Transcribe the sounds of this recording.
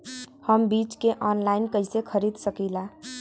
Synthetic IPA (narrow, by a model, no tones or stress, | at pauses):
həmbit͡ʃkeʔɔnlainkəɪsekʰəɾid̪səkila